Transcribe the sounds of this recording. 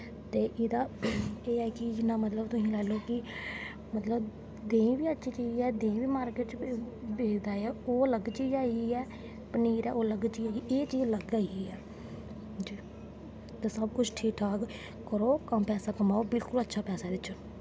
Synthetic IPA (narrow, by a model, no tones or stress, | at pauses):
t̪eːʔɪd̪aːeːɛːkɪd͡ʒɪnːãːmət̪ləbt̪ʊsĩːlɛːloːkɪ | mət̪ləb | d̪ẽːĩʋiːətːʃʰiːt͡ʃiːd͡ʒɛːd̪ẽːʋiːmaːɾkeʈ | beːd͡ʒd̪aːeɛːoːləɡt͡ʃiːd͡ʒaːiːɛː | pəniːɾɛ̰ːʔoːləɡt͡ʃiːaːiʔeːt͡ʃiːzləɡaiːɛː | d͡ʒiː | t̪eːsəbkʊt͡ʃʰʈʰiːkʈʰaːk | kəɾoːkəmpɛːsaːkəmaːoːbɪlkʊlətːʃʰaːpɛːsaːd̪ɪːt͡ʃʰʊn